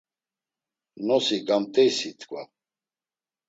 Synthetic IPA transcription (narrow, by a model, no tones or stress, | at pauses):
nɔsiɡʼamt̪ʼɛjsit̪ʰkʼva